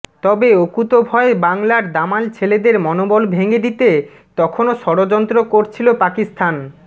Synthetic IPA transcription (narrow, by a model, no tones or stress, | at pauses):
t̪ɔbeokut̪obʱɔebaŋlaɾd̪amalt͡ɕʰeled̪eɾmɔnobolbʱeŋed̪it̪e | t̪ɔkʰonoʃɔɽod͡ʑɔnt̪ɾokoɾt͡ɕʰilopakist̪ʰan